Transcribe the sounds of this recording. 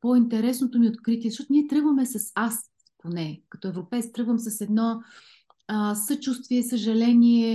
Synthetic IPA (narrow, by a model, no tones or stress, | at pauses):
point̪ɛɾɛsnot̪omiot̪kɾit̪̬ʲiɛzɐʃt̪ɔt̪ʊniɛt̪ɾɤɡvəmɛsɐsas | ponɛkɐt̪ɔɛvɾopɛjt̪t̪ɾɤɡvəmsɐsɛd̪nɔ | sət͡ʃust̪viɛsəʒɐlɛnʲiɛ